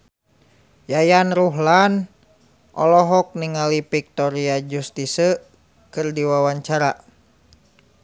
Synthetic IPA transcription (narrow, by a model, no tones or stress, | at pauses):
jajanɾuɦlan | ʔɔ̰lɔɦɔk̚niŋalipik̚t̪ɔɾiad͡ʒust̪isə | kɨrdiwawaɲt͡ʃaɾa